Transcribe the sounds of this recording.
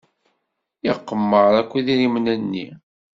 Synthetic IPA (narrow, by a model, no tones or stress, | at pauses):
iqːəmːəɾˤækʷːiðiɾimnænːḭ